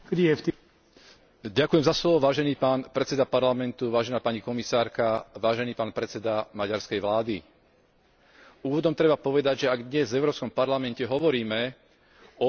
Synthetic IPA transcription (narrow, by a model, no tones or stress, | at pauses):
ɡdijɛft̪ | ɟakujɛmzaslɔʋɔʋaːʒɛniːpaːnpɾɛt͡sɛd̪apaɾlamɛnt̪uʋaːʒɛnaːpaɲikɔmisaːɾkaʋaːʒɛniːpaːnpɾɛt͡sɛd̪amaɟaɾskɛjʋlaːd̪i | uːʋɔd̪ɔmt̪ɾɛbapɔʋɛd̪aɟʒɛaɡd̪ɲɛzvɛʊɾɔːpskɔmpaɾlamɛncɛɦɔʋɔɾiːmɛ | ɔ